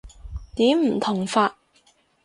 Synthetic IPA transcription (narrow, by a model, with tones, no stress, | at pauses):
t̪iː˨˥mm̩˨˩t̪ʰʊ˨˩ŋfaː˧t̚